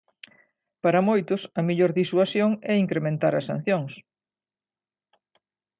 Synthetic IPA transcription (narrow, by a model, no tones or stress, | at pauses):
paɾɐmojt̪ʊsɐmiʎoɾðiswasjoŋɛiŋkɾemẽnt̪aɾɐsa̰n̟θjoŋs